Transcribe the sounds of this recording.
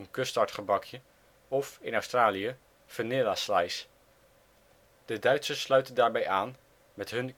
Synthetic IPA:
ənkɵstɑɹtχəbɑkʰjə | ɔfɪnɑɥstraːlijə | fənɪlaslajs | d̥ədœɥtsəslœɥtəndaːɹbɛjaːn | mɛtɦɵn

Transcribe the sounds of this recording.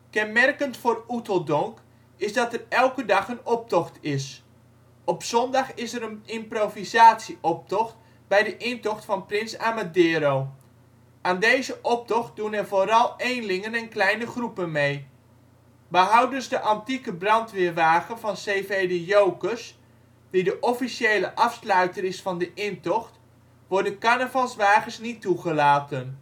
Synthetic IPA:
kɛnmɛrkəntfoːrutəlˠdɔŋk | ɪzdɑtərɛlˠkədɑχənɔp̚tɔxtɪs | ɔpsɔndɑχɪsəɾənɪmprovizaːtsiʔɔp̚tɔxt | bɛjdəʔɪntɔxtfɑnprɪnsaːmadɪːɾow | ʔaːndejzəʔɔp̚tɔxt̚dunɛrvoːɾɑlˠejnlɪŋənɛnklɛjnəχrupənmej | bəɦʌwdɵzdəʔɑntikəbrɑntʋɪɹʋaːχənvɑnsejvejdejowkəs | didəʔɔfiʃejləʔɑfslœɥtəɾɪsfɑndəʔɪntɔχt | ʋɔɹdənkanəvɑnˠsʋaːχəsnitːuχəlaːtən

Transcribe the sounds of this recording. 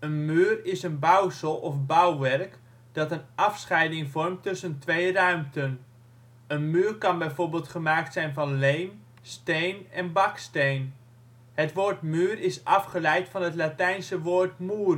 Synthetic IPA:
ənmyːrɪsənbœwsəlˠɔfbawʋɛrk | d̥ɑtənʔɑfsχɛjdɪŋvɔrmtːɵsəntʋejrœɥmtən | ənmyːrkɑnbɛjvoːɹbeːlˠtχəmaːktsɛjnvɑnlejn | stejnɛnbɑkstejn | ɦətʋoːɹtmyːrɪsɑfχəlɛjtfɑnɦətlatɛjnsəʋoːɹtmyːr

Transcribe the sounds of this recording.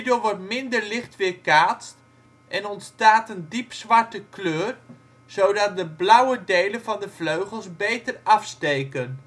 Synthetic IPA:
doːɹʋɔɹtmɪndəɹlɪχtʋɪːɹkaːtst | ʔɛnɔntstaːtəndipsʋɑɹtəkløːr | z̥owdɑt̚dəblʌwədejlənvɑndəvløɥχəlˠsbejtəɹɑfstejkən

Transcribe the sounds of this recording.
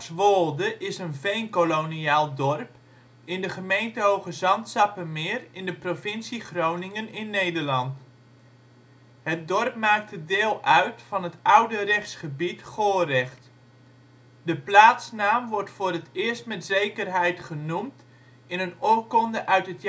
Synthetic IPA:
sʋoːlˠdəʔɪsənvejnkoloniaːlˠdɔrp | ɪndəχəmejntəɦowɣəzɑntsɑpəmɪːrɪndəprofɪnsiχrownɪŋənɪnːejdərlɑnt | hət̚dɔrpmaːk̚tədɪːlˠʔœɥtfɑnətʌwdərɛxsχəbitχoːrɛχt | dəplaːtsnaːmʋɔrtfoːrətɪːərstmɛtzejkərɦɛjtχənumt | ɪnənokɔndəʔœɥtɦət

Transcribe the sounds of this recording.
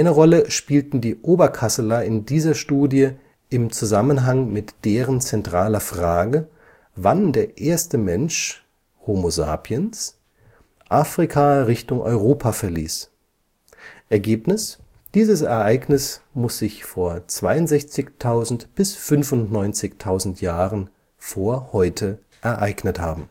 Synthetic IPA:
ʔaɪnəʁɔləʃpiːltn̩diːʔoːbɐkʰasəlaɪndiːzɐʃtuːdjə | ɪmt͡suzamənɦaŋmɪtd̥eːʁənt͡sɛntʁ̥aːlɐfʁ̥aːɡə | vandeːɐʔeːɐstəmɛnʃ | homoza̰ːpʰiəns | ʔaːfʁ̥ikʰaʁɪçtʊŋʔɔ̰ʏʁoːpʰafɛɐliːs | ʔɛɐɡeːpnɪs | d̥iːzəsɛɐʔaɪɡnɪsmʊsz̥ɪçfoːɐt͡sv̥aɪʊntz̥ɛçt͡sɪçtʰaʊzn̩tb̥ɪsfʏnfʊntnɔʏnt͡sɪçtʰaʊzn̩tjaːʁən | foːɐhɔʏtʰə | ʔɛɐʔaɪɡnəthaːbm̩

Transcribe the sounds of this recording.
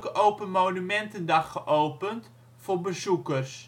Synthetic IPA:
kəʔowpənmownymɛntəndɑχːəʔowpənt | fʊːɹbəzukərs

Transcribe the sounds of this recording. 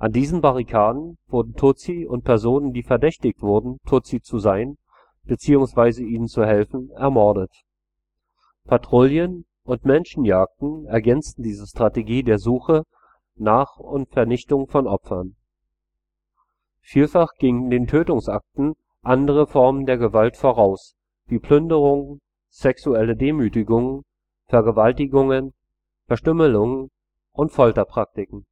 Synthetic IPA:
ʔandiːzn̩baʁ̞ikʰaːdn̩v̥ʊɐdn̩tʰʊt͡siʊnt̚pʰɛɐzoːnəndiːfɛɐdɛçtɪçtv̥ʊɐdn̩tʰot͡sit͡suzaɪn | b̥ət͡siːʊŋsv̥aɪzəiːnənt͡suhɛlfn̩ɛɐmɔɐdət | pʰatʁ̥oːljən | ʔʊntmɛnʃn̩jaːk̚tn̩ɛɐɡɛnt͡stn̩diːzəʃtʁ̥ateɡiːdeːɐzuːxə | naːχʊntfɛɐnɪçtʊŋfɔnʔɔpfɐn | fiːlfaχɡ̥ɪŋəndeːntʰøːtʊŋsʔak̚tn̩ | ʔandəʁ̞əfɔɐməndeːɐɡəvaltfoʁ̞aʊs | v̥iːpʰl̥ʏndəʁʊŋ | z̥ɛksuɛlədeːmyːtɪɡʊŋ | fɛɐɡəvaltɪɡʊŋən | fɛɐʃtʏməlʊŋən | ʔʊntfɔltɐpʁ̥ak̚tɪkŋ̩

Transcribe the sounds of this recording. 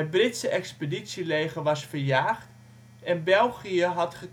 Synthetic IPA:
ət̚brɪtsəʔɛkspeditsilejχəʋɑsfərjaːχt | ɛnbɛlˠχiəɦɑtχə

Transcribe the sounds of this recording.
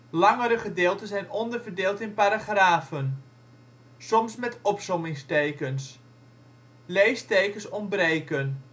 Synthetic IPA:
lɑŋəɾəχədɪːlˠtənzɛjnɔndərvərdeːlˠtɪnpaɾaχraːfən | sɔmsmɛtɔpsɔmɪŋstejkəns | lejstejkəsɔmbrejkən

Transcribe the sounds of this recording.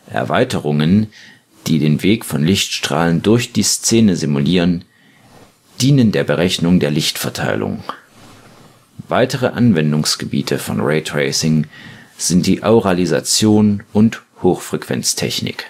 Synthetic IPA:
ʔɛ̰ɐvaɪtəʁ̞ʊŋən | d̥iːdeːnveːkfɔnlɪçtʃtʁ̥a̰ːləndʊɐçd̥iːst͡seːnəzimuliːʁ̞ən | d̥iːnəndeːɐbəʁ̞ɛçnʊŋdeːɐlɪçtfɛɐtʰa̰ɪlʔʊ̰ŋ | vaɪtəʁəʔanvɛndʊŋsɡ̥əbḭːtʰəfɔ̰nʁɛɪtʁeɪsɪŋz̥ɪnt̚d̥iːʔaʊʁaliza̰t͡sjoːnʔʊnthoːxfʁ̥ɛkv̥ɛ̰nt͡stʰɛ̰çnɪ̰k

